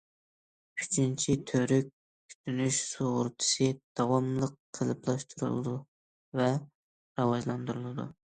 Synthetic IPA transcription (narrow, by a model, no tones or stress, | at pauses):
yt͡ʃʰint͡ʃʰit̪ʰøɾyk̚ʲ | kʲʰy̥t̪ʰynyʃsoʁʊɾt̪ʰɨ̥sɨd̪̥ɑwɑmlˠəqqʰːəlˠɨplˠɑʃt̪ʰuɾṵlˠɨ̰d̪u | vɛ | ɾɑwɑʒlˠɑnd̪uɾulˠɨd̪ṵ